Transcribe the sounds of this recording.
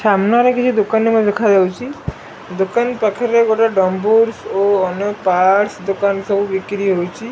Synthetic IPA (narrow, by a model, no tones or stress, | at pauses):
ʃamnaɾekit͡ʃʰud̪okanːimad̪ekʰad͡ʒawt͡ʃʰi | d̪okanpakʰeɾeɡoʈaɖɔmbuɾsoɔnepaɾsd̪okansɔbubikɾiɦowt͡ʃʰi